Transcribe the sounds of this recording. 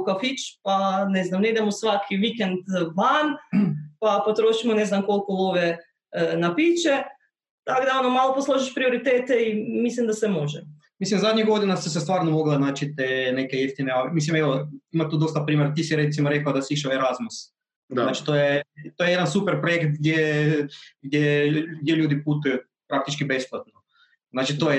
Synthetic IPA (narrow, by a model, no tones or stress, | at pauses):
kafit͡ʃpaneznamneid̪emosʋakʰiʋikend̪ʋanpapot̪ɾoːʃimoneznamko̞lˠkoloʋe | napiːt͡ʃe | t̪aɡd̪ao̞nomaːlˠoposlˠoʒiʃpɾio̞ɾit̪eːt̪eimislimd̪asemo̞ʒɛ | mislimzad̪ɲiɡo̞d̪inasis̬est̪ʋaːɾnomoɡlˠanaːt͡ʃit̪eːnekejeft̪ineoʋemis̬limeʋoimat̪uːd̪ost̪apɾiːmʲjeɾat̪isiɾet̪simoɾe̞kaod̪asiiʃaoeɾazmus | naːt͡ʃi̥t̪ojet̪ojejed̪ansupeɾpɾojekt̪̚ɡd̪je | ɡd̪jeɡd̪jeʎuːd̪iput̪uju | pɾakt̪it͡ʃkibe̞splˠat̪̚no | znaːt͡ʃit̪oje